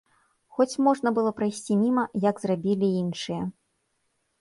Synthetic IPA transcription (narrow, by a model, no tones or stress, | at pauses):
xɔt͡sʲmɔʐnɐbɨlˠɔpɾajsʲt͡sʲimʲimɐjɐɡzrabʲilʲiinʂɨjɐ